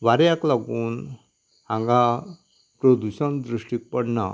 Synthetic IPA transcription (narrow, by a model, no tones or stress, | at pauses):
ʋaɾjaklaɡuːn | ãŋɡa | pɾod̪uɕənd̪ɾuʂʈik̚pəɳna